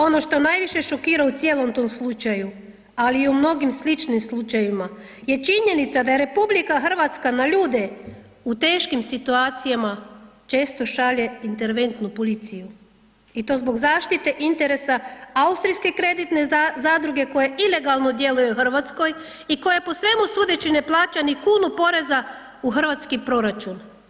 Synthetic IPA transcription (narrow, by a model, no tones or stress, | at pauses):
o̞no̞ʃt̪o̞najʋiʃe̞ʃo̞kiːɾaut̪sjeːlˠo̞mt̪o̞mslˠut͡ʃaju | aliːumno̞ɡimslit͡ʃnimslˠut͡ʃajima | je̞t͡ʃiɲe̞nit̪sad̪aje̞ɾe̞publikaxr̩ʋat̪skanaʎuːd̪e | ut̪e̞ːʃkimsit̪uaːt̪sijamat͡ʃe̞ːst̪o̞ʃaʎeint̪e̞ɾʋe̞nt̪nupolit̪siju | it̪o̞zbo̞ɡzaːʃt̪it̪e̞ʔint̪e̞ɾe̞saaust̪ɾijske̞kɾe̞d̪it̪ne̞zad̪ɾuɡe̞ko̞jeile̞ɡalˠno̞d̪je̞lujexr̩ʋat̪sko̞j | iko̞jepo̞sʋe̞musud̪e̞t͡ɕine̞plˠaːt͡ʃanikuːnupo̞ɾe̞za | uxr̩ʋat̪skipɾo̞ɾat͡ʃun